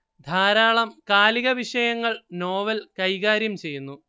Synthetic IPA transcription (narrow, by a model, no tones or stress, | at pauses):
d̪ʱaːɾaːɭɐmkaːliɣɐʋiʂɐjɐŋːɐɭno̞ːʋɐlkɐjɣaːɾjɐmt͡ɕe̞jːunːu